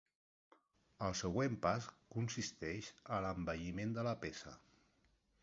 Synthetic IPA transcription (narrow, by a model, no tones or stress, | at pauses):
əlˠsəɣwempaskunsist̪ɛʃələmbəʎimend̪ələpesə̰